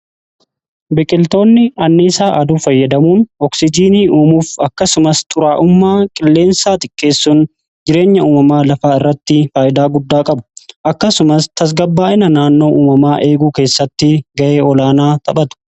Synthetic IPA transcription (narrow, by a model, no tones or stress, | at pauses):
bɪkʼɪlt̪o̞ːnːɪɐnːɪsaːʔɐd̪uːfɐjːɐd̪ɐmuːnɔksɪd͡ʒiːniːʔuːmuːfɐkːɐsʊmɐst̪ʰʼʊɾaːʔʊmːaːkʼɪlːe̞ːnsaːt̪ʼɪkʼːe̞ːsːuːn | d͡ʒɪɾe̞ːɲːɐuːmɐmaːlɐfaːɪrːɐt̪ːɪfaːʔɪd̪aːɡʊd̪ːaːkʼɐbʊ̥ʔɐkːɐsʊmɐst̪ʰɐs̬ɡɐbːaːʔɪnɐnaːnːo̞ːʔuːmɐmaːʔe̞ːɡuːke̞ːsːɐt̪ːɪɡɐʔe̞ːɔlaːnaːt̪ʼɐɓɐt̪ʊ̥